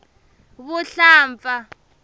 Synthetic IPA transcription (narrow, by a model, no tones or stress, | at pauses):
βuɬaːɱfa